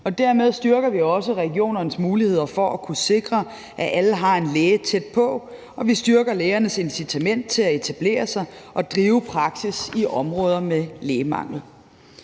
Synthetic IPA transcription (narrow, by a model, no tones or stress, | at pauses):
ɒ̽d̥æɐmeð̞ˠsd̥ɶɐɡ̥ɐʋiɒ̽səʁɛɡ̥jo̝̰ːnɐnəsmuːlihe̝ð̞̰ˠɐfɒ̽ʔækʰuse̝ɡ̥ʁɐ | ʔæʔæləɦɑ̈e̝nleːt͡sʰed̥̚pʰɒ̽ | ɒ̽ʋisd̥ɶɐɡ̥ɐleːɐnəse̝nsit͡sʰæmen̰d̥̚t͡sʰe̝læe̝t͡sʰæb̥le̝̰ːɐsɑ̈ɪʔɒ̽d̥ʁiːʊpʰʁɑ̈ɡ̥sisiʔɒ̽mʁɔ̽ːð̞ˠɐmeleːmɑ̰̈ŋ̰l̩